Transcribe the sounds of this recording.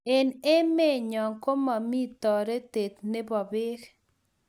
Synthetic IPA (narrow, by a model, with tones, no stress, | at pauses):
e˨ne˦me˦˨ɲɔ˨ŋko˦ma˨mi˦t̪ɔ˨ɾe˦t̪e˨t̪nɪ˦bɔ˨bɪ˦k